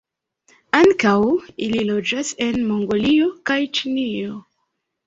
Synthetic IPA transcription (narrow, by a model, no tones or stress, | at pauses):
aŋkawililo̞d͡ʒase̞nmo̞ŋɡo̞lio̞kajt͡ʃinio̞